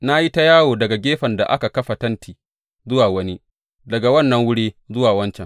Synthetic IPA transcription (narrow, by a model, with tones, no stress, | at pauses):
na˦ji˦ta˦jaː˦woː˨dɐ˨ɡa˨ɡʲeː˦ɸɐ˨nda˨ʔa˦ka˨kɐ˦ɸa˨tɐ˦ntiː˨ | zʊ˦waː˨wɐ˦ni˦ | dɐ˨ɡa˨wɐ˦˨nːɐ˨ŋwʊ˦ɽiː˦zʊ˦waː˨wɐ˦nt͡ʃɛ˨ŋ